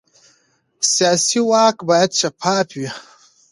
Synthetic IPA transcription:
sijaːsiwaːkbaːjad̪̚t͡ʃapʰaːpwi

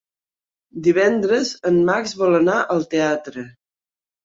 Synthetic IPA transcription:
d̪iβɛnd̪ɾəzənmakzβɔlənaʔəlˠt̪eat̪ɾə

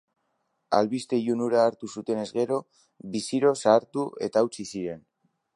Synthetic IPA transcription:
a̰lβist̪e̞ʝunuɾaːɾt̪usut̪e̞ne̞zɣe̞ɾo̞ | βisiɾo̞saːɾt̪ue̞̰t̪aːwt͡sisiɾe̞n

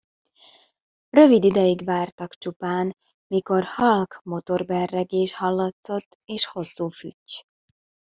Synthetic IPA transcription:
rø̞vid̪id̪ɛjiɡʋaːrt̪ɒkt͡ʃupaːn | miko̞rhɒlkmo̞t̪o̞rbɛrːɛɡeːʃhɒlːɒt̪so̞t̪ːeːʃho̞sːuːfy̰cː

